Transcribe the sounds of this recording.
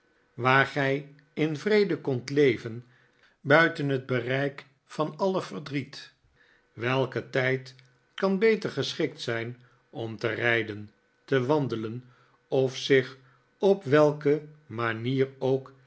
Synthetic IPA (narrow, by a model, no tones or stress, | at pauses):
ʋaːɹχɛj | ɪnvrejdəkɔntlejvən | bœɥtənɦəd̚bərɛjk | fɑnɑləvəɹdrit | ʋɛlˠkətɛjt | kɑnbejtəɹχəsχɪk̚tsɛjn | ɔmtərɛjdən | təʋɑndələn | ɔfsɪχ | ɔpʋɛlˠkəmaniːrowk